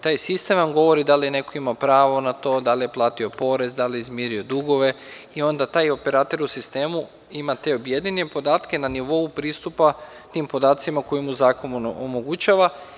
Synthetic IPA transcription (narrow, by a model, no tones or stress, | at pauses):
t̪aːjsist̪enamɡo̞ʋo̞ɾid̪aline̞ko̞imapɾaːʋo̞nat̪o̞d̪alijeplˠaːt̪io̞po̞ɾe̞zd̪aliizmjeɾio̞d̪uɡo̞ʋe̞io̞nd̪at̪aːjo̞pe̞ɾaːt̪e̞ɾusist̪e̞ːmu | imat̪e̞obje̞d̪inepo̞d̪aːt̪ke̞naniʋo̞upɾiːst̪upa | t̪iːmpo̞d̪aːt̪simako̞jimuzaːko̞nuomo̞ɡut͡ɕaʋa